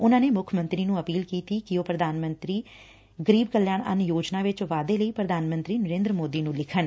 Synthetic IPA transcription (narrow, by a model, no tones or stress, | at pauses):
ʊnãːneːmʊkʰəmə̃nt̪ɾiːnũːəpiːlkiːt̪iːkɪoːpɾəd̪ʱaːnmə̃nt̪ɾiː | ɡəɾiːb̚kəlːjaːɳə̰njoːd͡ʒnaːʋɪt͡ʃʋaːd̪eːləiːpɾəd̪ʱaːnmə̃nt̪ɾiːnəɾẽːnd̪ɾəmoːd̪iːnũːlɪkʰən